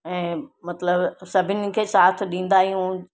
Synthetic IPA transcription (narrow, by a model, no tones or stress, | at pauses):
ɛ̃ːmɐt̪ləbsɐbʱɪnɪ̆kʰesaːt̪ʰɗĩːnd̪aːɦijũ